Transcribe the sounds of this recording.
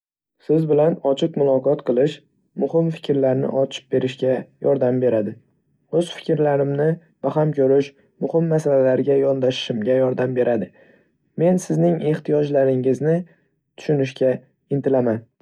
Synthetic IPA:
sɪzbɪlanɒt͡ʃʰɪqmʊlˠɒqɒt̪qʰɨlˠɪʃ | mʊhɪmfɪ̥kʲɾlaɾnɪ̰ʔɒt͡ʃʰɪ̥p̚be̞ɾɪʃkʲajɒɾd̪ambe̞ɾad̪ɪ | ɵz̥fɪ̥kʲɾlaɾɪmnɪ | b̥aɦamkʲʰɵɾɪʃ | mʊhɪmːasalalaɾɡʲajɒnd̪aʃɪ̥ʃɪmɡʲajɒɾd̪ambe̞ɾʔad̪ɪ | me̞nsɪznɪŋe̞ht̪ʰijɒd͡ʒlaɾɪŋɪznɪ | t̪ʰʊ̥ʃʊnɪʃkʲa | ɪnt̪ʰɪlaman

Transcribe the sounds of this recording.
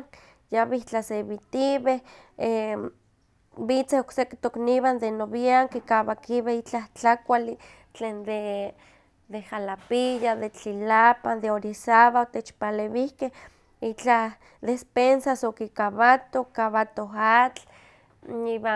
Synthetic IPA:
jaβiht͡ɬaseβit̪iβeh | e | bit͡sehokseket̪okniβand̪enoβiaŋkikaβakiβehit͡ɬaht͡ɬakʷali | t͡ɬeːnd̪e | d̪ehalapijaðet͡ɬilapand̪eoɾisaβaot̪et͡ʃpaleβihkeh | it͡ɬah | d̪espensasokikaβat̪okaβat̪oɦat͡ɬ | niβa

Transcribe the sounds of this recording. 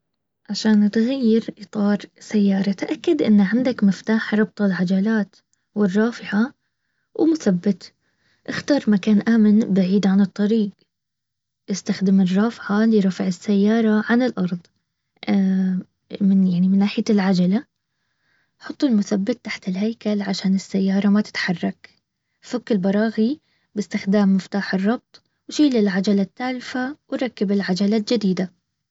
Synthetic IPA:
ʕaʃaːnt̪ɣajːɪɾʔɨt̪ˤɑːɾˤsajːɑːɾˤɑt̪ʔakːad̪ʔɪ̰nːʕɪnd̪akmɪft̪aːħɾˤɑb̚t̪ˤɪlʕad͡ʒalaːt̪ | wɪrˤːɑːfɪʕa | wmʊθabːɪt̪ | ʔɪxt̪ɑːɾˤmakaːnʔaːmɪnbaʕiːd̪ʕanɨt̪ˤːɑɾiːɡ | ʔɪst̪axd̪ɪmɪrˤːɑːfʕalɪɾˤɑfʕɪsːajːɑːɾˤɑʕanɪlʔɑɾˤðˤ | mɪnjaʕnimɪnːaːħɪjalʕad͡ʒala | ħʊt̪ˤːʊlmʊθabːat̪̚ːaħt̪ɪlhajkalʕaʃaːnɪsːajːɑːɾˤɑmat̪ɪ̥t̪ħɑrˤːɑk | fʊkːɪlbɑɾˤɑːɣi | bɪst̪ɪxd̪aːmːɪft̪aːħɨrˤːɑb̚t̪ˤ | wʃiːlɪlʕad͡ʒalat̪ːaːlfawɪɾˤɑkːɪbɪlʕad͡ʒalad͡ʒɪd̪iːd̪a

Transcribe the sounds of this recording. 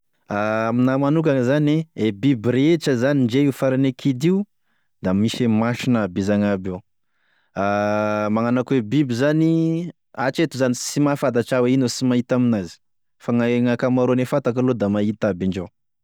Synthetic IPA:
aaminamanukazaneebibiɾet͡ʃəzaniɳd͡ʒeiufaɾanekʰid̪iu | d̪amiʃemaʃinabizaŋabe | amaŋanakwebibizani | at͡ʃet̪uzanisimafad̪at͡ʃaweinosimait̪aminazi̥ | faŋaŋakamaɾonefat̪akalod̪amait̪abiɳd͡ʒe

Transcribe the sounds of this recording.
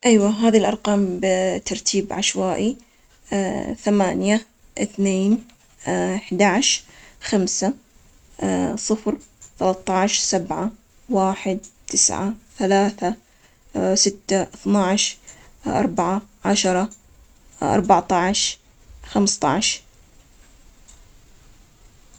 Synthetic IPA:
ʔajwaɦaːðilʔɑɾˤqɑːmbt̪ːɑɾˤt̪ʰiːbʕaʃwaːʔi | θamaːnja | ʔɪθneːn | ħd̪aʕʃxamsa | sˤɨfɾθalɑt̪ˤːɑʕʃsabʕa | waːħɪd̪̚t̪ɪsʕa̰θalaːθa | sɪt̪ːaʔθnɑʕʃ | ʔɑ̰ɾˤbaʕaʕaʃɑɾˤɑ | ʔɑ̰ɾˤbaʕt̪ˤɑʕʃ | xamst̪ˤɑ̰ʕʃ

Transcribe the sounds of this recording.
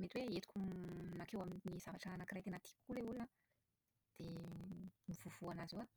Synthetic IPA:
met̪iweet̪u̥kʲunakewaminniz̥avaʈ͡ʂaanakirajkenat̪i̥pu̥kuleulina | d̪̥e | miv̥uv̥uanazewa

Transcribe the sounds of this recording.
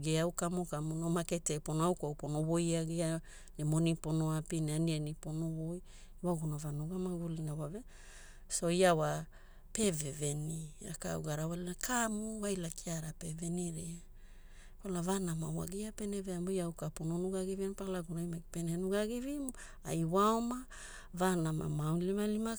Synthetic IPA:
ɡeawkamukamunomaketeponoawkawponowojaɡia | nemoniponoapineanieniponowoj | waɡunavanuɡamaɡulinawave | so̞iawa | pe̞vevenia̰ka̰ṵɡaɾawalinakʰamuwajlakiaɾapeveniɾia | kalavanamawa̰ɡiapeneveamojawkapononuɡaɡivinpalaɡuɾajmaɡipenenuɡaɡivim | a̰jwaoma | vanama̰mawlimalima

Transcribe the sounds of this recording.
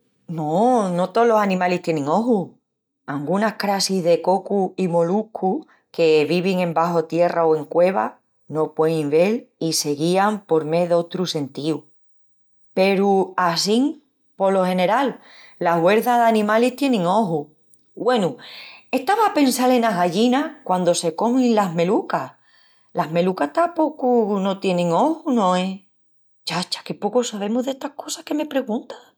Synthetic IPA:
nono̞t̪o̞lo̞sanĩmaliht̪je̞nẽŋo̞ɦu | aŋɡunakɾasiðe̞ko̞kuimo̞lukʰu | ke̞βiβiŋẽ̞mbaɦo̞t̪je̞raoe̞ŋkwe̞β̞a̰ | no̞pweimβe̞lise̞ɣiampo̞ɾme̞ðot̪ɾuse̞nt̪iu | pe̞ɾuasiŋ | po̞lo̞he̞ne̞ɾalː | aɦɣwe̞ɾðaðanĩmaliht̪je̞nẽŋo̞ɦu | ɡwe̞nueht̪aβape̞nsale̞naɦɣaʎinakwand̪o̞se̞ko̞mĩnlaɦme̞luka | laɦme̞lukaht̪apo̞kuno̞t̪je̞nẽ̞ŋo̞hunõ̞e | t͡ʃat͡ʃḁke̞po̞kosaβe̞moðe̞ht̪ahko̞sahke̞me̞pɾe̞ɣũnt̪ḁ

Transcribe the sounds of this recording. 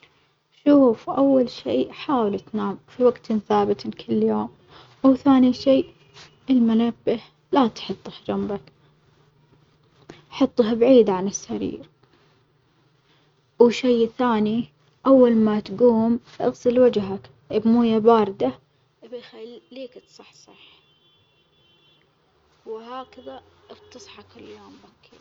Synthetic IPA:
ʃuːfʔawːalʃiːʔħaːwɪlt̪naːmfiwaɡt̪nθaːbɪt̪kʰɪlːjoːm | wθaːniʃiːʔ | ʔɪlmʊnabːɪh | lat̪ħɨt̪ˤːhd͡ʒambak | ħɑt̪ˤːhbʕiːd̪ʕanɪsːaɾḭːɾ | wʃejθaːni | ʔawːalmat̪ɡuːm | ʔɑ̰ɣsɪlwad͡ʒɦak | ʔɪbmuːjabaːɾˤd̪a | ʔɪbajxaːiːkt̪sˤɑħsˤɑħ | wɪhaːkaðaʔɑɾt̪ɑsˤħɑkɪlːjoːmbakʰi

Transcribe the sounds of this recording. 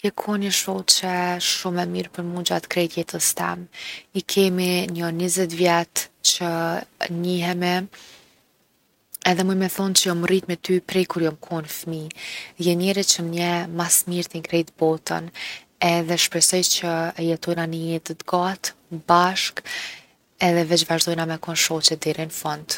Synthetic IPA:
kɛkʰɔniʃɔt͡ʃɛʃumɛmiɾpəɾmud͡ʒat̪kɾɛjt̪jɛt̪əst̪ɛ̰mikʰɛminənizɛt̪vjɛt̪t͡ɕəɲiɦɛmɛ | ɛðɛmujmɛθɔnt͡ɕəjɔmrit̪mɛt̪ypɾɛjkuɾjɔmkʰɔnfmijɛnɛɾit͡ʃəmɲɛmasmiɾt̪iŋɡɾɛjt̪bɔt̪ə̰n | ɛðɛʃpɾɛsɔjt͡ʃəjɛt̪ɔjnanəjɛt̪ət̪ɡat̪baʃk | ɛðɛvɛt͡ʃvaʒd̪ɔjnamɛkɔnʃɔt͡ɕɛd̪ɛɾinfɔnd̪

